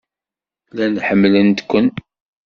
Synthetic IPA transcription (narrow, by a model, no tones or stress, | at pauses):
lænħəmːlənt̪kʷːən